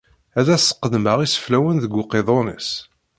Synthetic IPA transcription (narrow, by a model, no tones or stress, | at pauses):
æðæsə̥qːəðməʁisə̥flæwənðəɡʷʊqeðˤonə̰s